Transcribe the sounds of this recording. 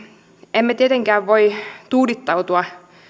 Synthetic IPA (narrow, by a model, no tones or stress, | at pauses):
emːæt̪iet̪eŋkæːʋʋoit̪uːlit̪ːɑut̪uɑ